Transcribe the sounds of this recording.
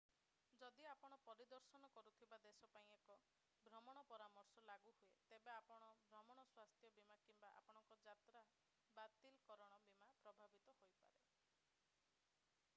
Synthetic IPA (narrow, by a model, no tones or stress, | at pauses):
d͡ʒɔd̪iapɔɽ̃ɔpɔɾid̪ɔɾsɔnɔkɔɾut̪ʰibad̪esɔpaĩekɔ | bʱɾɔmɔɽ̃ɔpɔɾamɔɾsɔlaɡuɦuet̪ebeapɔɽ̃ɔbʱɾɔmɔɽ̃ɔswast̪ʰjɔbimakimbaʔa̰pɔɽ̃ɔŋkɔd͡ʒat̪ɾa | bat̪ilkɔɾɔɽ̃ɔbimapɾɔbʱabit̪ɔhojpa̰ɾe